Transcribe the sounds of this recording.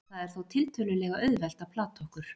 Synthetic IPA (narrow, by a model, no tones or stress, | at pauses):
θaðɛɾ̥θawt̪ʰɪlt̪ʰœːlʏlɛɣaʔœɥðvɛl̥t̪apʰlaːt̪ʰɔhkʏɾ̥